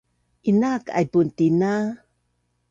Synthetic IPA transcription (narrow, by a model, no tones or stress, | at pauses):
ʔinaka̰jbuntina